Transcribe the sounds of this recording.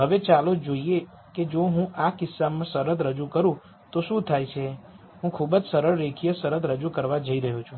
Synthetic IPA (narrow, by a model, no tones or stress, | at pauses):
ɦəʋet͡ʃalod͡ʒoie | ked͡ʒoɦũʔakɪsːamãsəɾəd̪ɾəd͡ʒukəɾũ | t̪oʃũt̪ʰajt͡ʃʰe | ɦũkʰubəd͡ʒsəɾəɭːekʰijəsəɾəd̪ɾəd͡ʒukəɾʋad͡ʒəiɾəɦũt͡ʃʰũ